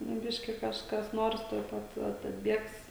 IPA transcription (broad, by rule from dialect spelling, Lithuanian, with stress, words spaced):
nʊ ˈbʲɪʃʲkʲɪ kɐʃˈkɐs ˈnoːrs tuɔj ˈpɐt ˈɐt ɐdʲˈbʲiɛks